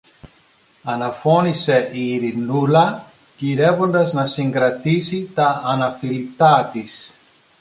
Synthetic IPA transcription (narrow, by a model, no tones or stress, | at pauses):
ɐnɐfo̞nise̞ʔiːɾinulɐ | ciɾe̞vo̞nd̪ɐznɐsiŋɡɾɐt̪isit̪ɐːnɐfilit̪ɐt̪is